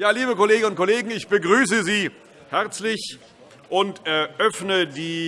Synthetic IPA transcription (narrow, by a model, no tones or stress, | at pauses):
jaːliːbəkoleːɡənʊntkʰoleːɡŋ̩ɪçb̥əɡʁyːsəziː | hɛʁt͡slɪç | ʔʊntɛʔœfnədiː